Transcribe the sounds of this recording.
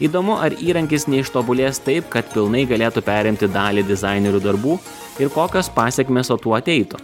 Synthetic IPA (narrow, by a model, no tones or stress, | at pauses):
iːd̪oːmʊʔɐɾiːɾɐŋʲkʲɪsnʲɛɪʃt̪oːbʊlʲeːst̪ɐɪpkɐt̪pʲɪlˠnɐɪɡɐlʲeːt̪upʲæːɾʲɪmʲt̪ʲɪd̪ɑːlʲɪd̪ʲɪzɑɪnʲɛɾʲud̪ɐɾbuː | ɪɾkoːkʲoːspɑːsʲɛkmʲeːsoːt̪uːɐt̪ʲɛɪt̪ʊ